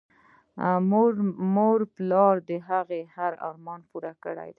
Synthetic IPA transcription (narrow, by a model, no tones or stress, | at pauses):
moɾmoɾplɑɾd̪əɦaɣehaɾɑ̰ɾmɑnpuɾakəɽa̰jd̪a